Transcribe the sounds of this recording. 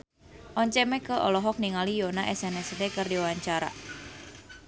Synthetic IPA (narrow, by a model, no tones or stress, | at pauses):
ʔɔɲt͡ʃɛmɛkəʔɔ̰lɔɦɔk̚niŋalijonaʔɛsɛnɛsdekɨrdiwaɲt͡ʃaɾa̰